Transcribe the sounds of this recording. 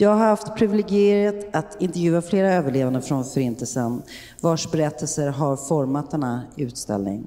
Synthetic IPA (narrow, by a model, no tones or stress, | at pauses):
jɑːɡhaɾɾhaft̪pʰɾɪvɪlɪɡɪeːɾət̪at̪ɪnt̪ɛɾvjʉ̟ːafleːɾaøːvəɭeːvand̪əfɾɔnfœɾɪnt̪ʰəlsən | vaʂbɛɾɛt̪ʰːɛlsəɾɦaɾfɔɾmat̪d̪ɛnːaʉ̟ːt̪st̪ɛ̰lnɪ̰ŋ